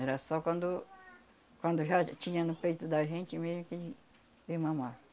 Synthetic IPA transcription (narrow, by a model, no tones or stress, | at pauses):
ɛɾɐsɔkʷɐ̃nd̪ʊ | kʷwɐ̃nd̪ʊʒat͡ʃĩɲɐnʊpejt̪ʊd̪ɐʒẽnt͡ʃɪmezmʊkɪ | vemɐ̃ma